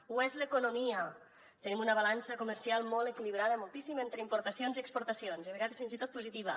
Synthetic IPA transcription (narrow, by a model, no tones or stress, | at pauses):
uɛzləkunumiə | t̪ənimunəβalansəkuməɾsialˠmɔlˠekiliβ̞ɾaðəmolˠt̪isiment̪ɾəimpuɾt̪əsionziəkspuɾt̪əsionzəβeɣaðesfinzit̪ot̪puzit̪iβ̞ə